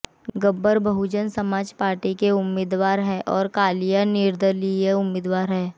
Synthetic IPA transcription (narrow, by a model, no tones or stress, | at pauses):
ɡəbːəɾbʱɐɦʊd͡ʒənsɐmaːd͡ʒpaːɾʈikeʊmːɪːd̪ʋaːɾɦɛːʔɔːɾkaːlijanɪɾd̪əlieʊmːɪːd̪ʋaːɾɦɛː